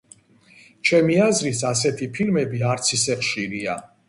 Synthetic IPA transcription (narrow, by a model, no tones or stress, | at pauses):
t͡ʃʰɛmiazɾisas̬ɛt̪ʰipʰilmɛbiaɾt̪sʰisɛχʃiɾia